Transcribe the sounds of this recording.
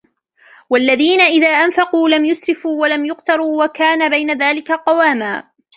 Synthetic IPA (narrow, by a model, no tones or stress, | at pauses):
walːaðiːnaʔɪðaːʔanfɑquːlamjʊsɾɪfuːwalamjʊqt̪ɑɾˤuːwakaːnabajnaðaːlɪkaqɑwaːmaː